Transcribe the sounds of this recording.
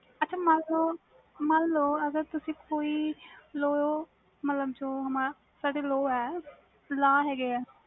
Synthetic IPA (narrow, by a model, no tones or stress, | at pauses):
ɐtːt͡ʃʰamãːnlo | mãːnloɐɡəɾt̪ʊsĩkoːiloː | mɐt̪ləbt͡ʃʰoɦɐmã | saɽeloːɛ | laːɦeːɡea